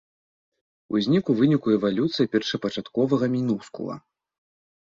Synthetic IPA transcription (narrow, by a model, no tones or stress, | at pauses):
ṵzʲnʲikuvɨnʲikuɛvalʲut̪sɨjipʲɛrʂɐpɐt͡ʂat̪kɔvɐɣɐmʲinuskṵlˠɐ̰